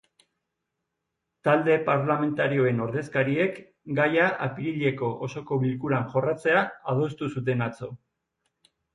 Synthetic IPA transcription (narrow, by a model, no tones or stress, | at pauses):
t̪ald̪e̞paɾlame̞nt̪aɾio̞e̞no̞ɾðe̞skaɾie̞k | ɡajaʔapiɾiʎe̞ko̞ʔoso̞ko̞βilkuɾanʝo̞rat͡se̞aað̞o̞st̪usut̪̬e̞nat͡so̞